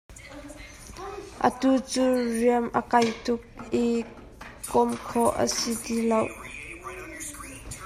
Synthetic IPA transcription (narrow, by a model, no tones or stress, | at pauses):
ʔə̰t̪ut͡suːriəmʔəkɐjt̪ʊk̚i | kɔmkʰɔʔə̰sitilow